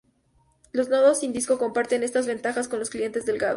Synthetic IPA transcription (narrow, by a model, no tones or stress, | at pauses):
lo̞znoðosind̪isko̞ko̞mpaɾt̪e̞ne̞st̪azβe̞nt̪axasko̞nlo̞sklie̞nt̪e̞zðe̞lɡaðo